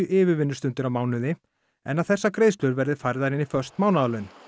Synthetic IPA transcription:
ʏʔɪːvɪɾvɪnːʏst̪ʏnt̪ʏɾawmaːwnʏðɪ | ɛ̰naðθɛsːakɾeːjðst̪ʏɾvɛɾðɪfajɾðaɾɪnifœ̥st̪maːwnaðalœɥn

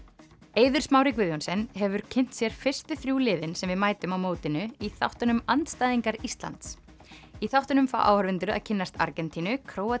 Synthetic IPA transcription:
eːjðʏɾ̥smaːwɾɪkvɪðjonsɛnɦɛvʏɾ̥cʰɪn̥t̪sjɛɾ̥fɪr̥st̪ʏθɾjuːlɪːðɪnsɛmvɪðmaːjt̪ʏmawmoːwt̪ɪnʏiθa̰wht̪ʏnʏmant̪st̪aːjðiŋkaɾist̪la̰nt̪s | iθawht̪ʏnʏmfa̰wʔa̰whœɾvɪnt̪ʏɾʏa̰ðcʰɪnːast̪a̰ɾcɛnt̪ʰinʏkʰɾoːwa

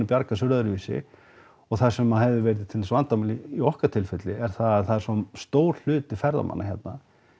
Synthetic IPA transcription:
ʏpjaɾkasʏɾðaʏɾviːsɪ̰ | ɔɣθasɛmːahɛvðɪvɛɾɪðɪt̪ʰɪlɛsvant̪amalɪiɔhkaɾt̪ʰɪlfɛt̪lɪɛɾ̥θaðaðθaðɛɾsɔst̪oːwɾ̥l̥ʏːt̪ɪfɛɾða̰ma̰nːʔaçjɛt̪na

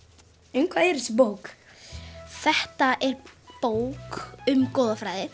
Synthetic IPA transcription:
ejŋkʰvaeɾɪspowk | θɛht̪aʔɛɾpoːwkʏmkoːwðafɾaːjðɪ

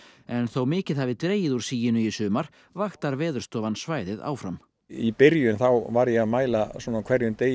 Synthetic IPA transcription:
ɛnθowmɪːcɪðhavɪðt̪ɾeːjɪðuɾ̥siːjɪnʏisʏːmaɾ̥ | vaxt̪aɾvɛːðʏ̥st̪ɔːvansvaːjðɪða̰ːwfɾam | ipɪɾjʏnθawvaɾjɛɣaðmaːjlasɔːnakʰvɛɾjʏnt̪eːj

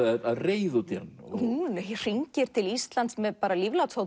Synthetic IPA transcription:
aaðreːjðʏt̪ɛɾnhunr̥iɲcɪɾ̥t̪ʰɪlist̪lant̪smɛðpaːɾalivlawt̪saw

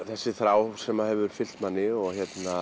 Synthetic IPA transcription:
θɛsːɪθɾaːwsɛmahɛvʏɾ̥fɪl̥t̪manːɪɔɣçjɛt̪na

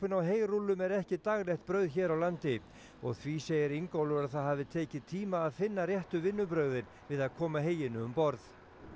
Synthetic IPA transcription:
pʏnawɦeːjrulːʏmɛɾɛhcɪt̪aɣlɛxt̪̚pɾœɥðçɛːɾawlant̪ɪ | ɔ̰ɣθviseːjɪɾiŋkowlʏɾaðθaðɦaːvðɪt̪ʰeːcɪt̪ʰiːmaːðfɪnːarjɛht̪ʏvɪnːʏpɾœːɥðɪn | vɪðaðkʰɔːmaɦeːjɪnʏʏmpɔɾθ

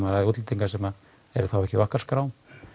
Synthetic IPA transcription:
maɾaðut̪lt̪iŋkasɛma | ɛɾθawɛhcɪvahkḁskɾaːwm

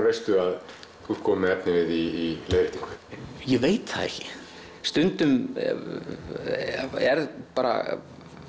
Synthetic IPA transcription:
vejst̪ʏað | uːɾkʰɔːmɪɛpnɪvɪðiːleːjðɾɪht̪ːiŋkʏ̥jɛveːjt̪θa̰ðḛhcɪ̥ | st̪ʏnt̪ʏm | ɛɾðpaːɾa̰

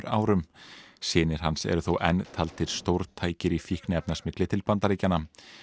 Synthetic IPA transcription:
ɾa̰ːwɾʏmsɪːnɪɾ̥ɦansɛ̰ɾʏθowʔɛnːt̪ʰalt̪ɪɾ̥st̪owɾt̪ʰaːjcɪɾifihknɪɛpnasmɪklɪt̪ʰɪlpant̪aɾiːcanːa

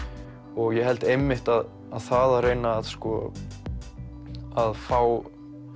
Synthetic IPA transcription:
ɔɣjɛɦɛlt̪ejmːɪht̪að | aðθaðareːjnaːðskɔ | aðfaːw

